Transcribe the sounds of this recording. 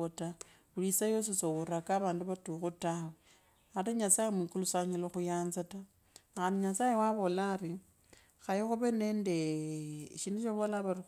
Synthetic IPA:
ota | ulisajos̬esowuɾakaβaːnduβatuxutawe | ateɲasajemwikulusaɲiloxujaːnzata | xaniɲasajewaβo̞lari | xajoxuβene̞ːnde | ʃinoʃoβolaβari

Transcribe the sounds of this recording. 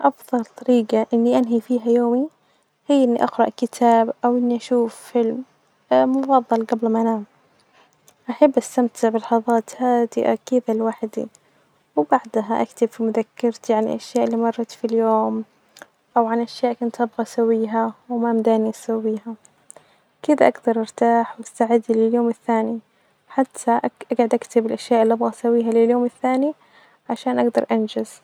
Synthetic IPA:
ʔɑfðˤɑlt̪ˤɑɾiːɡaʔɪnːiʔanɦifiːɦajoːmi | hɪjːʔɪnːiʔɑɡɾɑ̰ʔkɪt̪ʰaːbʔawʔɪnːiʔaʃuːfːɪlmː | ʊfɑðˤːɑlɡablmaʔnaːm | ʔaħabːʔast̪amt̪ʰɪʕbɪlɑħɑðˤɑːt̪haːd̪ɪ̰ʔa̰kɪðalwaħd̪ḭ | wbaʕd̪aɦaʔa̰kt̪ɪbfimʊðakːɪɾt̪iʕanʔaʃjaːʔɪlːiːmɑrˤːɑt̪filjoːm | ʔawʕanʔaʃjaːʔkʊnt̪ʔabɣasawːiːɦawmamd̪aːniʔasawːiːɦa | kɪd̪aʔaɡd̪ɑɾˤʔɑɾˤt̪aːħwast̪aʕɪd̪ilɪljoːmɪθːaːni | ħat̪ʰːaʔʔaɡʕʊd̪ʔakt̪ɪbɪlʔaʃjaːʔɪlːiʔabɣasawːiːɦalɪljoːmɪθːaːni | ʕaʃaːnʔaɡd̪ɑɾˤʔand͡ʒaz̥

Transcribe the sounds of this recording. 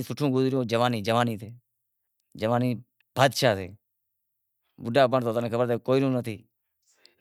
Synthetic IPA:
sʊʈʰːõːɡʊzɾɪjõːd͡ʒəʋaːniːd͡ʒəʋaːniːt̪ʰeː | d͡ʒəʋaːniː | b̥ʱaːd̪ʃaːt̪ʰeː | bʊɖaːbəɳt̪oːt̪anẽːkʰəbəɾt̪ekoːiːnũːnət̪ʰiː

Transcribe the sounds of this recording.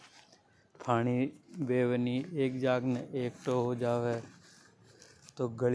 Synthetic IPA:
pʰaːɽ̃iːbeːʋnieːkd͡ʒaːɡneʔeːkʈoːɦoːd͡ʒaːʋeː | t̪oːɡəl

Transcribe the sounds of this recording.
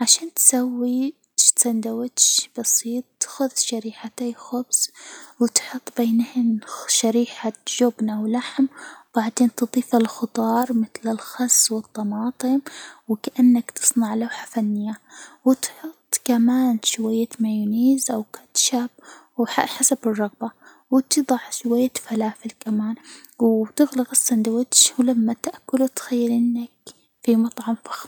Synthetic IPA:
ʕaʃaːnt̪sawːi | t̪sand̪awat̪ʃb̥ɑsiːt̪ˤt̪ḁxʊðʃaɾiːħat̪axʊbswɪt̪ħʊt̪ˤːbeːnhɪnʃaɾiːħaʒʊbnʔawlaħmb̥aʕd̪eːnt̪ɨd̪ˤiːfalxʊt̪ˤɑːɾˤmɪθlɪlxɑzwɨt̪ˤːɑmɑːt̪ˤɨmwɪkaʔanːakt̪ɨ̥sˤnɑʕlawħḁfanːɪjːawɪt̪ħʊt̪ˤːkamaːnʃʊwajːamajʊniːzʔawkḁt̪ʃab | wħaħasabɨrˤːɑɣba | wɪt̪ɨðˤɑʕʃʊwajːafalaːfɪlkamaːnwt̪ɪɣlaɣasːand̪awɪt̪ʃwlamːat̪aʔakʊlut̪xajːalʔɪnːak | fimɑt̪ˤʕɑmfḁx

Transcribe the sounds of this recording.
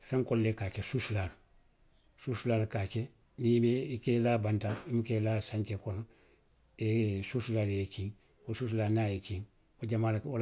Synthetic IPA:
fɛ̃ŋkolːekaːkesusulaːlu | susulaːlukaːke | nimeikelabantaimukelasãɲt͡ʃekɔno | esusulaːljekiŋ | osus̬ulanaːjekiŋ | oɟamaːlaol

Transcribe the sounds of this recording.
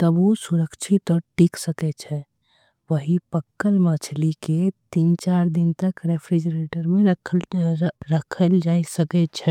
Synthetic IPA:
t̪əbusuɾəkt͡ʃʰit̪ɔɾʈiksəkɛt͡ʃʰɛ | ʋəɦipəkːəlmat͡ʃʰliket̪iːnt͡ʃaɾd̪ɪnt̪əkɾepʰɾid͡ʒəɾeʈəɾmẽɾəkʰ | ɾəkʰəld͡ʒaisəkɛt͡ʃʰɛ

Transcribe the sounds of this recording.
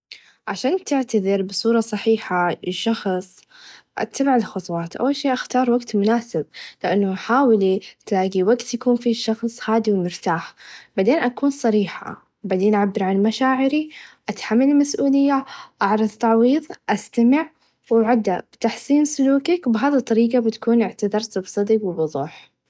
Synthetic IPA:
ʕaʃaːnt̪ɪʕt̪aðɪɾbɨsˤuːɾˤɑsˤɑħiːħaɪʃːɑxsˤ | ʔa̰t̪ːabaʕɪlxʊt̪ˤwɑːt̪ʔa̰wːalʃiːʔaxt̪ɑːɾˤwaɡt̪mʊnaːsɪb̚lɪʔanːʊaħaːwɪlit̪laːɡiwaɡt̪jakuːnfiʃɑxsˤhaːd̪iwmɪɾt̪aːħb̥aʕd̪eːnʔakuːnsˤɑɾiːħa̰ | baʕd̪eːnʔaʕabːɪɾʕanmaʃaːʕɪɾiʔat̪ħamːalmasʔuːlɪjːaʔɑʕɾˤɑðˤt̪ɑʕwiːðˤʔast̪amɪʕ | waʕad̪ːabɪt̪aħsˤiːnsʊluːkakwbɦaːðit̪ˤːɑɾiːɡɑbɪt̪ḁkuːnʔɪʕt̪aðɑɾˤt̪bsˤɑd̪iɡwɪbʊðˤuːħ

